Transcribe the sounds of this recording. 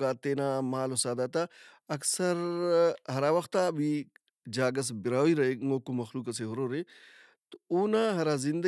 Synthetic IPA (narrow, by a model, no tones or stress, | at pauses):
aːt̪eːnaːmaːlosaːd̪at̪a | ɐksɐɾɦɐɾaːʋɐxt̪aːbʱi | d͡ʒaːɡɐs̬bɪɾaːiɾɐɦeŋoːkumɐxluːkɐseɦʊɾoːɾe | t̪ouːnaːɦɐɾaːzɪ̃nd̪ə